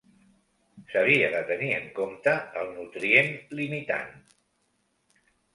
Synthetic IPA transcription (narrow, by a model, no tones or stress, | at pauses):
səβ̞iəðət̪əniəŋkomt̪əːlˠnut̪ɾienlimit̪a̰n